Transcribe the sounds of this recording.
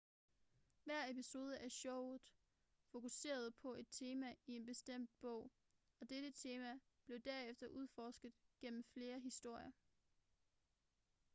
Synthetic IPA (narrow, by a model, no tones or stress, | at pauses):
ʋæɐ̰episo̝ːð̞ˠəʔæɕɔʊ̰ð̩ˠ | fo̝kuse̝̰ːɐð̞̩ˠpʰɒ̽e̝d̥̚t͡sʰe̝ːmæie̝nb̥e̝sd̥em̰d̥̚b̥ɔ̽ʊ̰ | ɒ̽d̥eɾ̥ət͡sʰe̝ːmæ | b̥le̝ʊd̥æɐefd̥ɐʔuð̞ˠfɒːsɡ̥ð̩ˠɡ̥en̰m̩fle̝ːɐɦisd̥o̝ɐ̰jɐ